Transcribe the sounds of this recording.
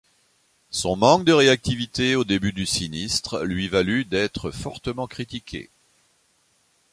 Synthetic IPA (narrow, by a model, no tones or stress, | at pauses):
sɔ̃mɑ̃k̚d̪əʁeak̚t̪ivit̪eod̪ebyd̪ysinist̪χlɥivalyd̪ɛt̪χəfɔʁt̪əmɑ̃kχit̪ikʲʰḛ